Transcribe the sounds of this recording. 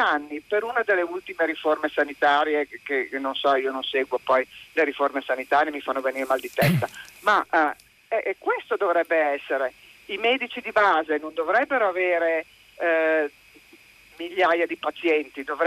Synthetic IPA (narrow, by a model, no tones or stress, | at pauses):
anːipeɾunad̪elːeult̪imeɾiformesanit̪aːɾjekenonsɔiːononseːɡwopɔjleɾiformesanit̪aːɾjemifanːoveniːɾemald̪it̪ɛst̪ama | ɛkːwest̪od̪ovɾɛbːeɛsːeɾe | imɛːd̪it͡ʃid̪ibaːzenond̪ovɾɛbːeɾoaveːɾe | miʎːaːjad̪ipat̪sjɛnt̪id̪ov